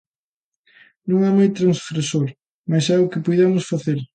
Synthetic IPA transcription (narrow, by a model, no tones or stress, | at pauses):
nõŋɛmajt̪ɾɐŋsfɾesoɾ | mɐsɛʊkɪpujðamʊsfaθeɾ